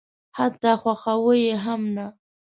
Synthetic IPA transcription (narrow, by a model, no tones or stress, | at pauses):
hat̪axwaχawɪjeɦamna